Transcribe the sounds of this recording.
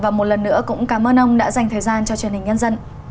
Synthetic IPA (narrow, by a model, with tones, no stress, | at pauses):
vaː˨˩mo˨˩t̚lə˨˩nːɨ̰˧˥əkʊ̰˧˥ŋ͡mkaː˨˦mʔəː˧nʔə˧wŋ͡mɗa̰ː˧˥za˨˩jŋ̟t̪ʰəː˨˩jzaː˧nt͡ɕɔ˧t͡ɕwi˨˩nhi˨˩ŋ̟ɲə˧nzə˧n